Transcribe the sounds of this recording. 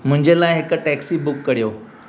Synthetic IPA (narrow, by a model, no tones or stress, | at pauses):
m̤ũɲd͡ʑelaɦekəʈɛksiːbukːəɽjo